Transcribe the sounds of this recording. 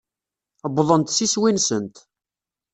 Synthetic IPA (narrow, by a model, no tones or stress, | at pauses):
bðˤənt̪siswinsənt̪